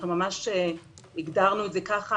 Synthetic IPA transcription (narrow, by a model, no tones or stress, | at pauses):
numamaʃe | iɡdaʁnuetzekaχa